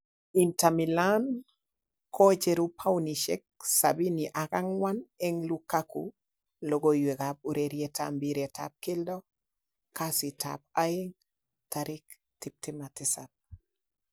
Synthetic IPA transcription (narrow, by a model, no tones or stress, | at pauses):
intamilan | kʰɔt͡ʃeɾupʰawniʃɛ̰k̚sa̰biniʔakaŋwanɛŋlukakṵ | loɡojweɡab̚uɾeɾjetʰa̰mbiɾɛta̰p̚kɪldɔ | kasitʰa̰p̚aɪŋ | taɾɪk̚ | tɪp̚tɪmatɪsab̚